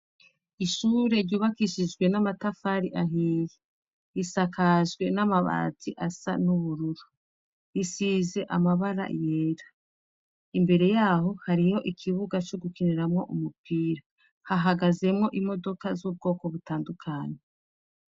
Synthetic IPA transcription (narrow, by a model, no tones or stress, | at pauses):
iʃuːɾe̞ɾɟuːβakiʃid͡ʒɡwe̞namatafaɾiʔaɦiːje | isakʰaʒɡwe̞namaβa̰ːziʔasa̰nuβuɾuɾu | isize̞ʔamaβaɾa̰je̞ɾḁ | imbe̞ɾe̞jaːɦo̞haɾiho̞ʔikʰiβuɡat͡ʃo̞ɡukiniɾamŋo̞ʔumupiːɾa | haɦaɡaze̞mŋo̞ʔimo̞do̞kazuːb̚ɡo̞ːko̞βutaːndukʰaːɲe̞